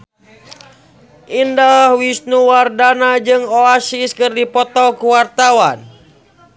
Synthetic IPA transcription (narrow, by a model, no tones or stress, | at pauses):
ʔindalhwisnuwardanad͡ʒɨŋoasiskɨrdipɔt̪ɔkuwart̪awan